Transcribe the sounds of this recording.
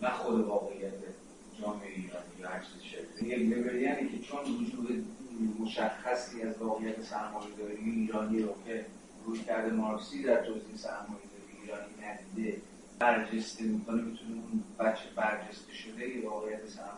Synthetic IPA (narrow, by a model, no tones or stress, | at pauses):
næxod̪e̞vɒːɣe̞ijæt̪ʰe | d͡ʒɒːme̞ʔeiːɾɒːnijɒːhæɾt͡ʃʰizʃeɾd̪ejeɡlebeɾjæːnicʰe̞t͡ʃʰo̞nvod͡ʒuːd̪emo̞ʃæxːæsiːæzvɒːɣe̞jæt̪ʰe̞sæɾmɒːjed̪ɒːɾijeiːɾɒːniɾokʲʰe̞ | rujcʲʰæɾd̪e̞mɒːɾsid̪æɾt̪ʰoziːesæ̰ɾmɒːjed̪ɒːɾijeiːɾɒːniːnæd̪iːd̪e | bæɾd͡ʒe̞st̪e̞mikʰo̞nebit̪ʰuneunbæt͡ʃʰebæɾd͡ʒest̪e̞ʃo̞d̪ejevɒːɣeijæt̪ʰesæ